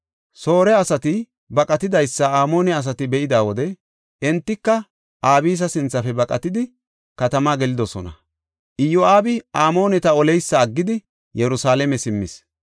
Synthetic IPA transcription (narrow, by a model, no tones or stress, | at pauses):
so̞ːɾɛɐsɐt̪ɪ | bɐkʼɐt̪ɪd̪ɐjsːɐaːmo̞ːnɛɐs̬ɐt̪ɪbɛʔɪd̪aːwɔd̪ɛ | ɛnt̪ːɪkːɐ | ʔaːbiːs̬ɐsɪnt͡sːɐfɛbɐkʼɐt̪ɪd̪ɪ | kɐt̪ɐmaːɡɛlɪd̪ɔsɔ̰nɐ̰ | ʔɪjɔʔaːbɪʔaːmo̞ːnɛt̪ɐɔlɛjsːɐːɡːɪd̪ɪ | jɛɾʊsaːlɛmɛsɪmːɪs